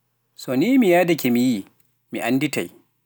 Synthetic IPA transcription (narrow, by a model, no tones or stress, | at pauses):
soːniːmijaːdɐkʲemijiː | mḭʔandɪta̰j